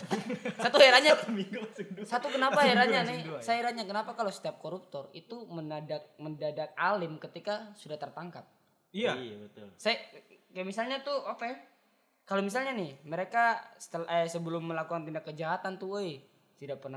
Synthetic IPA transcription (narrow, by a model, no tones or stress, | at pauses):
sat̪uheɾaɲamiɡusat̪ukənapaeɾaɲanɪsajaiɾaɲakənapakalosə̥t̪iap̚koɾup̚t̪ɔrḭt̪umənadak̚məndadat̪̚alɪmkət̪ikasudaht̪ərt̪aŋkap̚ | abət̪ʊlsajakajamisalɲat̪uopɛ | kalomis̬alɲanɪhməɾekasə̥t̪əlʔəsəbəlʊmːəlakukant̪indakːəd͡ʒaɦat̪ant̪uəj | t̪idapərna